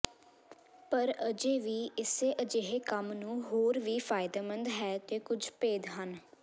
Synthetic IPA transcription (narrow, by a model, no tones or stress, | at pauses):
pəɾəd͡ʒeːʋiːɪseːʔəd͡ʒeːɦeːkəmnũːɦoːɾʋiːpʰaːɪd̪aːmə̃nd̪ɦɛːt̪eːkʊd͡ʒpeːd̪ɦən